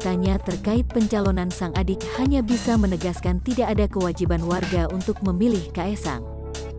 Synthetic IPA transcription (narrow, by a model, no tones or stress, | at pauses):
t̪aɲat̪ərkaɪt̪̚pəɲt͡ʃalonansaŋʔadɪk̚haɲabisamənəɡaskant̪idaʔːdakəwad͡ʒibanwarɡaunt̪ʊk̚məmilɪhkaɛsa̰ŋ